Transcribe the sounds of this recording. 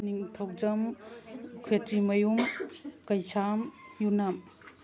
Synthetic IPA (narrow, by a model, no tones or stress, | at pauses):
niŋtʰɐwd͡ʒɐm | kʰetɾimɐjumkɐjsʰamjunam